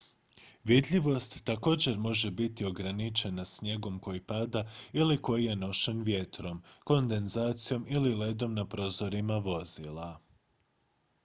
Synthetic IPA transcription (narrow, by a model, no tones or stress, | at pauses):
ʋid̪ʎʲiʋo̞st̪ːako̞ːd͡ʑe̞ɾmo̞ʒe̞bit̪io̞ɡɾanit͡ʃe̞nasɲe̞ɡo̞mko̞jipad̪ailiko̞jije̞no̞ʃenʋje̞t̪ɾo̞mko̞nd̪e̞nzaːt̪sijo̞milile̞d̪o̞mnapɾo̞zo̞ɾimaʋo̞z̥ilˠa